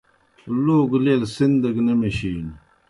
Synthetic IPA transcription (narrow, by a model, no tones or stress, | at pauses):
loːɡleːlsind̪ɐɡnɐmeɕiːn